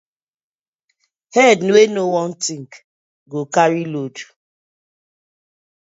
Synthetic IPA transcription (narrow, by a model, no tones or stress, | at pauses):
hɛdnwenowɔ̃n̩tiŋ̩k | ɡokaɾilodu